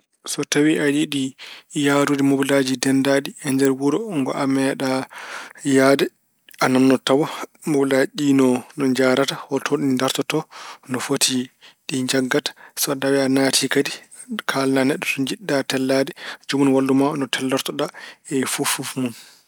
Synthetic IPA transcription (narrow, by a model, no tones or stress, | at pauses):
sɔtawiʔadiɗijaɾudimoblad͡ʒidɛndaɗiɛɲd͡ʒɛɾwuɾɔŋɡɔ̰ʔamɛɗa | jaːdɛ | ʔanamnɔtawɔmoblaɗinɔnɔɲd͡ʒaːɾatahɔtʰoɗinindaɾtɔtɔnɔfotʰiɗiɲd͡ʒaɡːatḁsɔɗawɛanatʰikadi | kʰalnanɛɗːɔtɔɲd͡ʒiɗːatɛlːadɛd͡ʒumunwalːumanɔtʰɛlːɔɾtɔɗaɛfufufmun